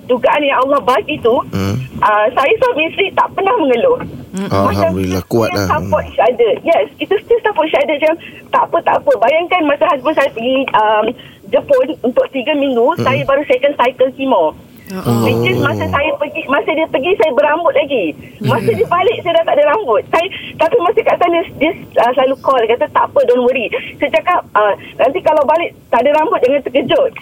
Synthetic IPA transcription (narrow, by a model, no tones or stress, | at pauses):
duɡaʔanjaŋalːɑhbakit̪uʔəsajasɔfmisɾit̪aʔpənahməŋəlʊmat͡ʃamakua̰apɔt̪̚ʃadəjɛsit̪ust̪ɪst̪apɔt̚ʃadət͡ʃamt̪aʔpət̪a̰ʔpəbajaŋkanmãsaɦasbʊnsajapəɡiəm | d͡ʒəpɔnunt̪ʊk̚t̪iɡamĩŋɡusajəbaɾusajəkansajkəlkimaw | mikɪnmãsəsajəpəɡimãsədiəpəɡisajəbəɾambʊt̪̚laɡi | mãsədiəbalɪʔ̚sajədat̪aʔdəɾambʊt̪̚sajət̪apimasikaʔsanəsdisəsəlalukɔlakat̪at̪aʔpədɔnwəɾisat͡ʃakap̚ənãnt̪ikalawbalɪʔt̪aʔdəɾambʊt̪̚d͡ʒaŋant̪əkəd͡ʒʊt̪̚